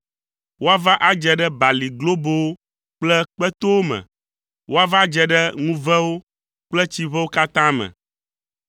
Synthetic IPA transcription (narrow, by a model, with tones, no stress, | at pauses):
wo˦a˦va˦ʔa˦d͡ʒɛ˨ɖɛ˦ba˨li˨ɡlo˦bo˦wo˦ | k͡plɛ˦k͡pɛ˦t̪o˦wo˦mɛ̰̃˨ | wo˦a˦va˦d͡ʒɛ˨ɖɛ˦ŋũ˦vɛ˦wo˦ | k͡plɛ˦t͡ɕi˦βɛ˦wo˦ka˦t̪ã˦mɛ̰̃˨